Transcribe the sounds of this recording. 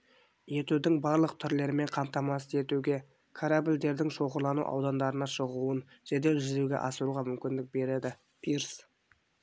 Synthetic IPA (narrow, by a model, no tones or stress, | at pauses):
je̞t̪ud̪ɪŋbɑɾlˠəq̚t̪ʰʏɾle̞ɾɪme̞ɴqʰɑmt̪ɑmɑsəe̞t̪uɡʲe̞ | kʰaɾabɪld̪e̞ɾd̪ɪŋʃo̞ʁəɾlˠɑnṵʔɑ̰wd̪ɑnd̪ɑɾənɑʃəʁuən | ʒ̥ed̪e̞lʒʏzeɡʲe̞̰ʔɑsəɾuʁɑmʏmkʲɪnd̪ɪk̚be̞ɾe̞d̪ɪ | pʰiɾs